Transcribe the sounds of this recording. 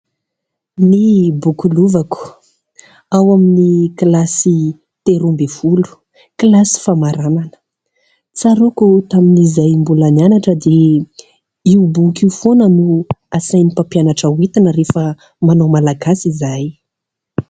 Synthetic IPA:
nibukuluvaku̥ | awaminiklasi | t̪eɾumbefulu̥ | kilasi̥famaɾananə̥ | t͡saɾokut̪aminizajmbulanianaʈ͡ʂəd̪e | iubukiufonənuasajnipapijanaʈ͡ʂəwit̪anəɾefə | manowmalaɡasizaj

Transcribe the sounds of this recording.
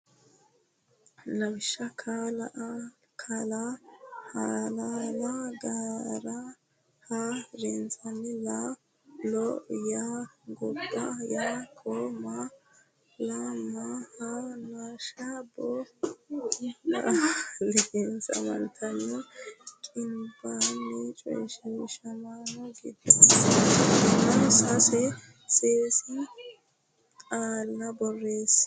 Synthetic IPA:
laβiʃakʰalaʔ | kʰalahalalaɡaɾa | haɾiːnzanila | lojaŋɡubajakʰoma | lamahanaːʃabɔ | a̰lɛɡensɐ̰mɐ̰nt̪ʰɐnːɔkʼɪnbanːɛt͡ʃʼɔ̰jʃɪʃɐmaːnɔɡɪd̪es | ɐnsɐsɛ | seːsɪ | aːlɪnɐbɔrːeːs

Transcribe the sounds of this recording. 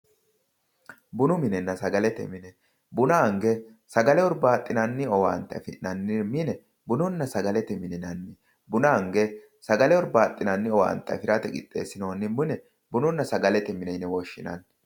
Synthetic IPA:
bʊnʊmɪnɪnːɐsɐɡɐlɛt̪ɛ̰mɪnɛ | bʊnaŋɡɛ | sɐɡɐlɛɔɾbaːt̪ʼːɪnɐnːɪɔwa̰ːnt̪ːɐ̰fɪnɐnːɪmɪnɛ | bʊnʊnːɐsɐɡɐlɛt̪ɛmɪnɪnɐnːɪ | bʊnɐŋɡɛ | sɐɡɐlɛɔɾbaːt̪ʼːɪnɐnːɪɔwa̰ːnt̪ːɐ̰fɪɾɐt̪ɛɡʼɪ̰t̪ʼːe̞̰ːsːɪnoːnːɪmʊnɛ | bʊnʊnːɐsɐɡɐlɛt̪ɛmɪnɛnɛwɔʃːɪ̰nɐ̰n

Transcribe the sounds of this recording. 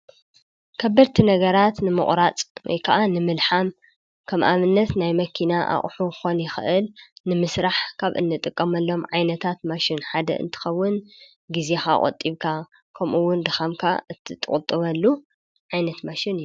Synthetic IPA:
kʰɐbːɐɾt̪ʰinɐɡɐɾat̪nɨmɨ̰χʼɾat͡sʼwɔ̰jkʰɐʔanɨmɨlħam | kʰɐmʔaβɨnːɐt̪najmɐkʰinaʔa̰χʼħuxo̞njɪxɨʔɨlnɨmɨsɾaħkʰaβʔɨ̰nːɨt̪ʼɨkʼːɐmɐlːo̞mʕajnɐt̪ʰat̪maʃɪnħad̪ɐ̰ɨ̰nt̪ʰɨ̥xɐwːʊn | ɡize̞xa̰kʼɐ̰t̪ʼːiβkʰa | kʰɐmʔuwːʊnd̪ɨxamkʰa̰ɨt̪ʰːɨt̪ʼːɨ̰χʼt̪ʼːɨβɐlːu | ʕajnɐt̪maʃɪn

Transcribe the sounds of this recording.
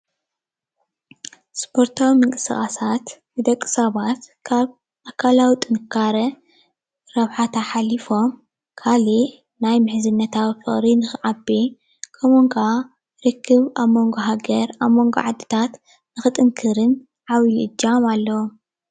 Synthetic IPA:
spʰo̞ɾt̪ʰawimɨŋkʼɨ̥sχʼasat̪nɨd̪ɐkʼːɨ̥saβat̪kʰaβ | ʔakʰalawit̪ʼɨnɨkʰːaɾɐ | ɾɐβħat̪ʰaħalifo̞m | kʰali | najmɨħzɨnːɐt̪ʰawifɨχʼɾinɨxɨʕabi | kʰɐmoŋɡa | ɾɨkʰːɨβaβmo̞ŋɡoɦaɡɐɾaβmo̞ŋɡo̰ʕad̪ɨt̪ʰat̪ | nɨxɨt̪ʼɨŋkʰɨɾɨn | ʕawiʔɨd͡ʒːamalːɐwom

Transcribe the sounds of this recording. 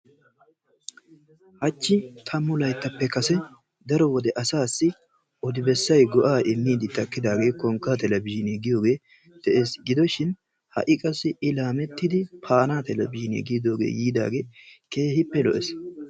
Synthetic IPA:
hɐt͡ʃːɪt̪ʰɐmːʊlɐjt̪ːɐpːɛkɐsɛ | d̪ɐɾɔwɔd̪ɛʔɐsaːsːɪ | ɔd̪ɪbɛsːɐjɡɔʔaːʔɪmːiːd̪ɪt̪ɐkːɪd̪aːɡe̞ːkɔŋkːaːt̪ɛlɐbɪʃɪneːɡɪjo̞ːɡe̞ː | d̪̥ɛʔe̞ːsɡɪd̪ɔʃɪn | hɐ̰ʔɪkʼɐsɪɪlaːmɛt̪ːɪd̪ɪpʰaːnaːt̪ɛlɐ̰bɪʃɪnḛɡiːd̪oːɡḛːjiːd̪a̰ːɡe̞ːke̞ːhɪpːɛlɔ̰ʔɛs

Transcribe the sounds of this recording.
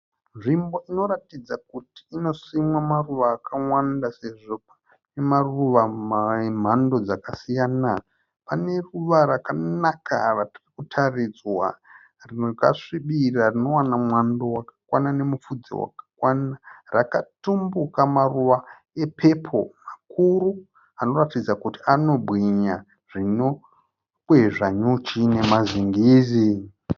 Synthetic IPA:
nʐimbo̞ino̞ɾatid͡zakuti̥ːno̞simwamaruʋaːkʰaŋwandase̞ʐo̞pḁ | nemaruʋamam̤ando̞d͡zakasijaːna | pane̞ruʋaɾakanaka̰ratirikutʰarid͡zwa̰ | rinoka̰ʂiɓirarino̞wanamwandowakḁkwanane̞mufud͡zḭwa̰kḁkwanarakatumbukamaruʋa | e̞pʰe̞pʰo̞̰makʰuɾu | ano̞ratid͡zakutiano̞bɣiɲa | ʐ̥ino̞ | kweʐaɲut͡ʃine̞maziŋɡiːzi

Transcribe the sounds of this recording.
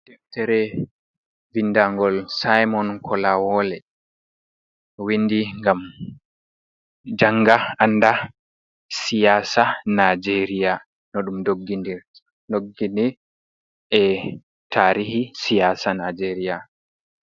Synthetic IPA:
d̥ɛftɛɾɛ | vindaŋɡɔlsajmɔnkʰɔlawɔlɛ | windiŋɡam | d͡ʒaŋɡaanːda | sijasanad͡ʒeɾija | nɔɗumdoɡːindiɾ | noɡːindi | ʔɛ | taɾihisijaːsanad͡ʒɛɾija

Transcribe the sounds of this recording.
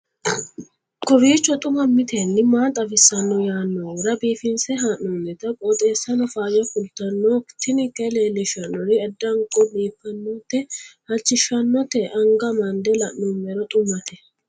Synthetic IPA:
kɔbiːt͡ʃːɔt̪ʼʊmɐmɪt̪ʰenːɪmaːt̪ʼɐfɪsːɐnːɔjaːnːɔɾɐbiːfɪnsɛɦɐnːɔnɛt̪ɐkʼɔt̪ʼe̞ːsːɐnɔfaːjɐfʊlt̪ɐnːokt̪ːɪnɪkɛleːlːɪʃɐnːɔɾɪɐd̪ːɐŋkʼɔbiːpːɐnːɔt̪ːɛhɐt͡ʃːɪʃɐnːɔt̪ɛʔɐŋɡɐmɐnd̪ɛlɐʔːumɛɾɔt̪ʼʊmɐt̪ɛ

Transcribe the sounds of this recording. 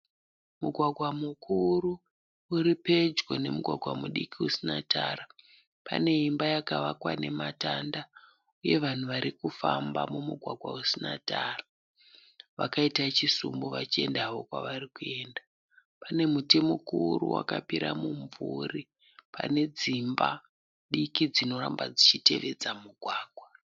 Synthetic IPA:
muɡʱwaɡʱwamukʰuru | uɾipe̞d͡ʒɡone̞muɡʱwaɡʱwamuɗikiusinatʰaːra | pa̰ne̞imbajakaʋakwane̞matanda | uje̞ʋan̤uʋaɾikufambamumuɡʱwaɡʱwausinataːra | ʋakaitat͡ʃisumboʋat͡ʃie̞ndaʋo̞kwa̰ʋarikue̞nda | pane̞mute̞mokuruwa̰kapiɾamuɱvuri | pa̰ne̞d͡zimba | ɗikid͡zino̞rambad͡zit͡ʃite̞ʋe̞d͡zamuɡʱwaːɡʱwa

